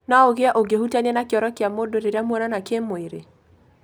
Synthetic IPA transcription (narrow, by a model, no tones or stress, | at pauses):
naoɣeaʔoɡehutanɛnakeɔɾɔkeamodoɾeɾeamwɔnanakemoeɾe